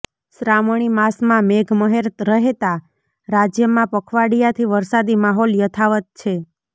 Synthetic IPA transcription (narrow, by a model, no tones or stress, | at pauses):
sɾamɳ̃imasmãmeɡʱməɦeɾət̪ɾəɦet̪a | ɾad͡ʒjəmãpəkʰʋaɽijat̪ʰiʋəɾsad̪imaɦɔljət̪ʰaʋət̪̚t͡ʃʰe